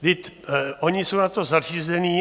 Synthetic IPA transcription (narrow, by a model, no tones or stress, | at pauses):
d̪ɪt̪ʔoɲɪsownat̪o̞zariːzɛniː